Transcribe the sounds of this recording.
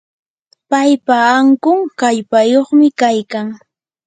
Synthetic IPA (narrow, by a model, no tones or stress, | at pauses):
pajpaaŋkʊŋkaʎpajoχmɪkajkaŋ